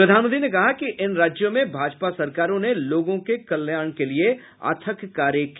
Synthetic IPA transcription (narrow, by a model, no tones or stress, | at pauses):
ɾɐd̪ʱaːnmə̃nd̪ɾinekɐɦakiʔɪnɾaːd͡ʒjõmẽbʱaːd͡ʒpasɐɾkaːɾõneloːɡõkekɐljaːɽ̃kelie | a̰ːt̪ʰəkːaːɾjək